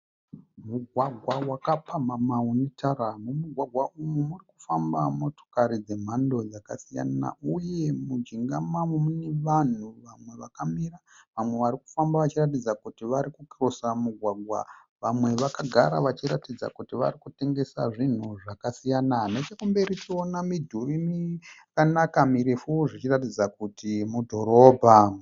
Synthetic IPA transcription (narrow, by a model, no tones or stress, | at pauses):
muɡʱwaɡʱwawakapʰamamaunitʰaɾamumuɡʱwaɡʱwaʔumumuriku̥fambamo̞to̥kaɾid͡ze̞m̤ando̞d͡zakasija̰na̰ʔuje̞mud͡ʒiŋɡamamumuneʋan̤uʋamwe̞ʋakamiɾa | ʋamwe̞ʋaɾiku̥fambaʋat͡ʃirat̬id͡zakutiʋaɾikukirosamuɡʱwaɡʱwa̰ | ʋamwe̞ʋakaɡʱaɾa̰ʋat͡ʃiɾatid͡za̰kutiʋa̰ɾikute̞ŋɡe̞sa̰ʐin̤uʐakasijananet͡ʃekumbe̞ɾit͡ʃio̞namidʱurimiakanakamiɾifuʐit͡ʃirat̬id͡zakutimudʱo̞ɾo̞ːbʱa